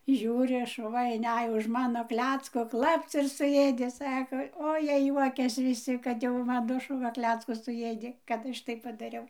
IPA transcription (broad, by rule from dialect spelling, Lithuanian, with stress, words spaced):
ˈʒʲuːrʲɪ ˈʃʊʋɐ ɪnʲˈæj ʊʃ ˈmɑːnoː ˈklʲæːt͡skoː ˈklˠɐpt͡s ɪr sʊˈjeːdʲeː ˈsɑːkoː oː ˈjiɛ ˈjuɔkʲɛs ʋʲɪˈsʲɪ ˈkɐt jɛʊ ˈmɑːnoː ʃʊˈʋɐ ˈklʲæːt͡skʊs sʊˈjeːdʲeː kɐt ˈɐʃ tɐɪp pɐdɐˈrʲɛʊ